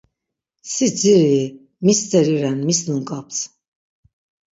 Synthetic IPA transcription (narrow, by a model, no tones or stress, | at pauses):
sid͡ziɾi | mist͡s̪ɛɾiɾɛnmisnunkʼap̚t͡s